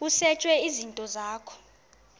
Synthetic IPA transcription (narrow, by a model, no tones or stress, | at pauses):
usɛt͡ʃʼwɛizintʼɔzaːkʰɔ̥